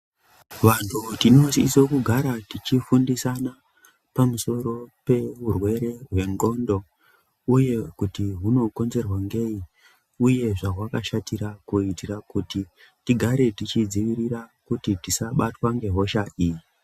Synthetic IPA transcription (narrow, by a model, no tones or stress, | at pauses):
ʋantʰutino̞siso̞kuɡʱaɾatit͡ʃifundisana | pamuso̞ɾo̞pe̞urwe̞ɾe̞ɦwe̞ŋɡo̞ndo̞ | uje̞kutiɦuno̞ko̞nze̞rwaŋɡe̞i | uje̞ʐaɦwakaʃatiɾakuitirakuti | tiɡʱaɾe̞tit͡ʃid͡ziʋiɾirakutitisaɓatwaŋɡe̞ɦo̞ʃaʔiːji